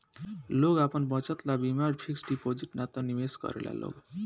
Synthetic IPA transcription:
loɡapʌnbʌt͡sʌt̪labimaɾpʰiksɖipod͡ziʈnat̪ʌnimesɡʌ̰ɾḛla̰lo̰ɡ

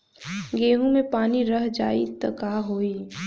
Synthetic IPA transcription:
ɡeːɦõmẽpaːniɾɐɦd͡ʒaːḭt̪əkaːɦoːiː

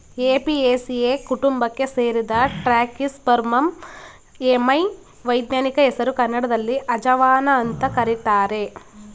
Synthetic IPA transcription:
eːpiesieːkuʈumbɐkːe̞se̞ːɾid̪ɐʈɾaːkispɐɾmɐm | emɐj | ʋɐjd̪naːnikɐɦɛsɐɾukɐnːɐɽɐd̪ɐlːiʔɐd͡ʒɐʋaːnɐːnt̪ɐkɐɾit̪aːɾe̞

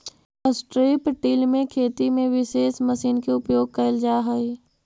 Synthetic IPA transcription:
əsʈɾipʈiːlmẽkʰeːt̪imẽʋɪʃeːsməsiːnkeʊpjoːɡ̚kɐɪld͡ʒaːɦɐi

